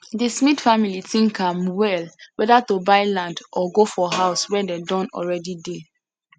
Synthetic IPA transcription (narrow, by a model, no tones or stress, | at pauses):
dismidfamilitĩŋkʰãmwɛlwɛdatobaɪlãndʔɔɡofɔɦaʊswɛdedɔ̃nɔ̰lɹɛdide